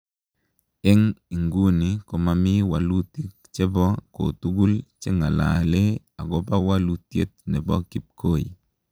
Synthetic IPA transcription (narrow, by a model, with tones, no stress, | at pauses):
ɛ˦ŋi˨ŋɡu˦ni˨ko˨ma˨mi˦wa˨lu˦ti˦k̚ | t͡ʃe˦bɔ˦ko̰˨tu˦ɡu˦lt͡ʃe˦ŋa˨la̰˨le˦ | a˨ɡɔ˦pa˦wa˦lu˨tje˦t̚nɛ˨bɔ̰˦ki˨p̚ko˦˨ḭ˨